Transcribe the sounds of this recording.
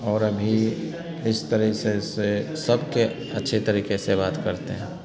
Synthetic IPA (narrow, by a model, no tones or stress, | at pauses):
ɔːɾɐbʱi | ɪst̪ɐɾɛsesesɐbke | ɐtːʃʰet̪ɐɾiːkesebaːt̪kɐɾt̪eɦɛ̃ː